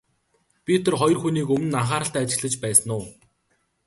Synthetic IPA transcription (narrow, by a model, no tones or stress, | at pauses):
pʲit̪ʰɔ̆rχɔjɞrxuniːkɵmɘ̆naχaːɾə̆ɬt̪æːt͡ɕɪ̆ɣɮə̆t͡ɕpæːsə̆nʊː